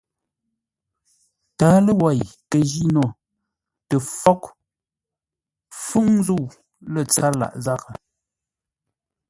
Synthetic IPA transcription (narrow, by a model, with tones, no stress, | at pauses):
taː˨˦lə˦wa˨jkə˨ʒi˦nɔ˨ | tə˨fɔ˦k | fu˦ŋ˦zu˦˨w | lə˨t͡sa˦ɾla̰˨ʔza˦˨ka˨